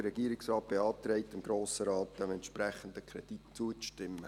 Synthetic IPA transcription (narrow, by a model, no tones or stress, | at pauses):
ərɾɛɡiːɾɪksrɑːt̚b̥eɑːt̪ɾɛɪtɪmɡ̥ɾoːsəɾɑːtt̚d̪̥ɛmɛntʃpɾɛχən̩d̪əkʰɾɛd̥itt͡suət͡sʃtɪmːə